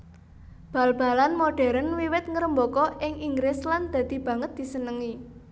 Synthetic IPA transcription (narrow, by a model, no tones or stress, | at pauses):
b̥a̤lb̥a̤lanmoɖ̥ɛ̤ɾənwiwɪt̪̚ŋəɾəmbɔkɔʔɪŋʔiŋɡɾɪsland̪̥ä̤d̪̥i̤b̥ä̤ŋət̪̚d̪̥i̤sənəŋi